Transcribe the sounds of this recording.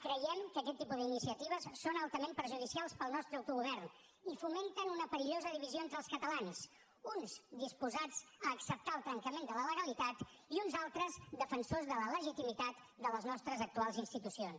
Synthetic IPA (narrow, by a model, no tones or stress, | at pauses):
kɾəjɛmkəkɛt̪ːipuðəinisiət̪iβ̞əsːonəlˠt̪əmempəɾʒuðisialˠspəlˠnɔst̪ɾəəwt̪uɣuβɛrn | ifument̪ənunəpəɾiʎozəðiβizioent̪ɾəlˠskət̪əlans | unsd̪ispuzad͡zəːksəp̚t̪aəlˠt̪ɾəŋkəmend̪ələləɣəlit̪at̪iunzalˠt̪ɾəzd̪əfənsozðələləʒit̪imit̪at̪ | d̪ələznɔst̪ɾəzək̚t̪ualˠzinst̪it̪usions